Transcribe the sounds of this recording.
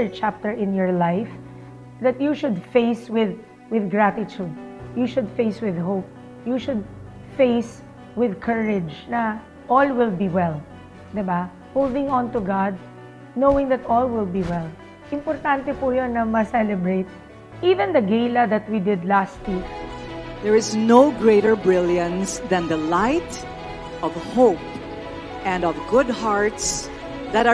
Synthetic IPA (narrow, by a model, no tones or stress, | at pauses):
ə˞t͡ʃap̚t̪ɛɹʔɪ̃njɔɹlajf | ðɐt̪juʃʊd̪feɪswɪð | wɪðɡɹat̪ɪt͡ʃud̪̚juʃʊd̪feɪswɪðɦop̚ | juʃʊd̪̚ | feɪs | wɪðkʰɛɹɪd͡ʒnɐ | ʔɔlwɪlbiwɛl | d̪ɪba | howld̪ɪ̃ŋɔ̃nt̪ʊɡad̪̚ | nowɪ̃ŋd̪ɐt̪ɔlwɪlbiwɛl | ʔɪ̃mpɔɾt̪ãnt̪ɛpujonːɐmɐsɛlɛbɹet̪̚ | ʔivɛ̃nd̪ɐɡejlɐd̪ɐt̪̚wid̪ɪd̪last̪li | ðɛɹɪznoʊɡɹeɪɾəɹbɹɪljə̃nsðæ̃nd̪əlaɪt̪ | ʔɔvhoʊp | ʔɛ̃ndɔvɡʊd̚haɹt̪s | ðæɾa